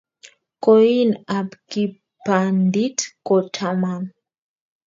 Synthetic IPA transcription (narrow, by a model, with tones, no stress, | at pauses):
koi˦na˨bki˨ | pa˨ndi˦tkɔ˨tʰa˨ma˨n